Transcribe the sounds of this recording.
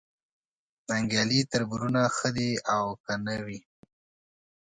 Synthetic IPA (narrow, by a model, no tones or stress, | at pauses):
naŋɡjɑlit̪əɾbuɾunaxəd̪iawkanəwi